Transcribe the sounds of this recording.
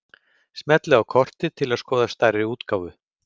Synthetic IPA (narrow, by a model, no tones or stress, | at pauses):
smɛt̪lɪawkʰɔr̥t̪ɪt̪ʰɪlaðskɔːðast̪ajɾɪuːt̪kawvʏ